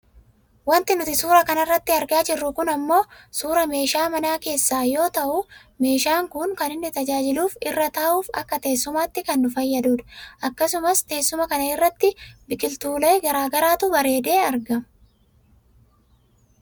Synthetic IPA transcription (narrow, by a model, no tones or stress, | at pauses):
wɐnt̪ɪnʊt̪ɪsuːɾɐkɐnɐrːɐt̪ːɪɐɾɡaːd͡ʒɪrːʊkʊnɐmːo̞ːsuːɾɐme̞ːʃaːmɐnaːke̞ːsːaːjo̞ːt̪ɐʔʊ | me̞ːʃaːŋkʊŋkɐnɪnːɪt̪ɐd͡ʒaːd͡ʒɪluːfɪrːɐt̪aːʔuːfɐkːɐt̪e̞ːsːʊmaːt̪ːɪkɐnːʊfɐjːɐd̪uːᶑ̪ɐ̥ʔɐkːɐsʊmɐst̪e̞ːsːʊmɐkɐnɐɪrːɐt̪ːɪbɪkʼɪlt̪uːlɐjɡɐɾaːɡɐɾaːt̪ʊbɐɾe̞ːd̪e̞ːɐɾɡɐm